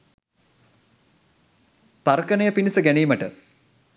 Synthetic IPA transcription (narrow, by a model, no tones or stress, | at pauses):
paɾkənəjəpinisəɡænejməʈə̰